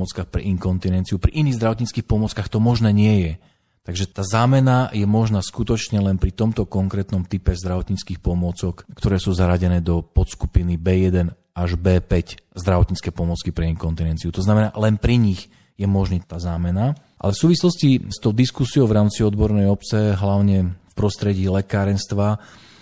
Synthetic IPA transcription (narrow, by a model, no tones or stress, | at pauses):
ɔt͡skaːxpɾɛ̰ʔiŋkɔnt̪inɛnt͡siupɾiʔiniːɣzd̪ɾaʋɔt̪ɲit͡skiːxpɔmʊɔt͡skaxt̪ɔmɔʒnɛːɲɪɛjɛ | t̪aɡʒɛt̪aːzaːmɛnajɛmɔʒnaːskut̪ɔt͡ʃɲɛlɛnpɾit̪ɔmt̪ɔkɔŋkɾɛːt̪nɔmt̪ipɛzd̪ɾaʋɔt̪ɲit͡skiːxpɔmʊɔt͡sɔkkt̪ɔɾɛːsuːzaɾaɟɛnɛːd̪ɔpɔt̪skupinibɛːjɛd̪ɛn | aʒbɛːpɛczd̪ɾaʋɔt̪ɲit͡skɛːpɔmɔt͡skipɾɛɛikɔnt̪inɛnt͡siut̪ɔznamɛna̰lɛnpɾiɲiɣ | jɛmɔʒnit̪aːzaːmɛna | ʔa̰lɛfsuːʋislɔscist̪ɔʊd̪iskusiɔʊvɾaːmt͡siɔd̪bɔɾnɛjɔpt͡sɛɦlaʊɲɛfpɾɔst̪ɾɛɟiːlɛkaːɾɛnst̪ʋa